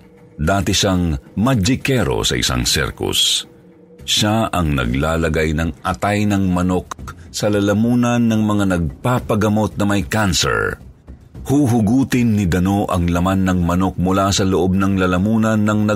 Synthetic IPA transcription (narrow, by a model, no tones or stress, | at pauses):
d̪aːt̪ɛʃaŋmɐd͡ʒɪkɛɾo̰sɐ̰ʔɪ̰sa̰ŋsɛ̰ɾkʊ̰s | ʃaʔɐŋnɐ̰ɡlaːlɐɡajnɐŋʔɐt̪ajnɐŋmɐnoksɐlɐlɐmuːnɐnːɐŋmɐŋanɐɡ̚papɐɡɐmo̞t̪̚nɐmɐjkansɛ̰ɹ | huːɦʊɡuːt̪ɪnːɪd̪ɐno̞ʔɐŋlɐmanːɐŋmɐnok̚mʊlasɐloʔo̞b̚nɐŋlɐlɐmuːnɐnːɐŋnɐ